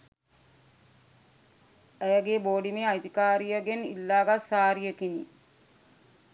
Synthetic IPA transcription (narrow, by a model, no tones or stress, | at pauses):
ejəɡeboːɖimeajt̪ikaːɾijəɡenḭlːaːɡasaːɾijəkinḭ